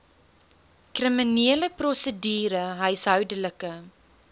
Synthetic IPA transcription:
krəminiələprɔsədiːɾəɦəjsɦœɥdələkə

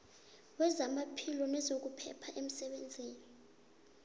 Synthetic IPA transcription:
wɛzamapʰilɔnɛzok̬upʰɛ̰pʰaʔem̩sɛɓend͡zʱeːni

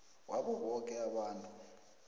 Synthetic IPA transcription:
wʔaɓuɦɔkʼɛaɓaːntʼu

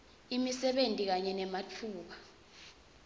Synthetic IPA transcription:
imisɛɓentʼik̬aɲɛnɛmat͡fʰuːɓ̬a

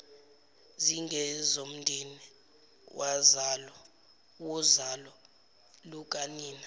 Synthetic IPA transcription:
ziŋɡɛzom̩ndʱini | wʔazalɔ | wuzalɔ | luk̬ʼaniːna

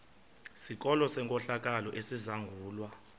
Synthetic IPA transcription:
sik̬ʼɔlɔsɛŋkʼɔɬak̬ʼalɔʔesizaŋɡʱuːlwa

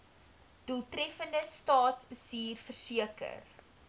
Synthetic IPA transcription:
d̥uəlˠtɾɛfəndəstɑːtsbəsiːrfərsiəkə̰r

